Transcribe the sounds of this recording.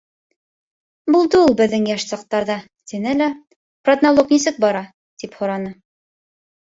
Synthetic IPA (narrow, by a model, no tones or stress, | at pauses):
bulˠd̪ɤulˠbɘ̆ðːɘŋjæʃsɑq̚t̪ɑɾðɑ | t̪inɘlæ | prod̪nolˠoknisɘk̚bɑɾɑ | t̪iphŏɾɑnɤ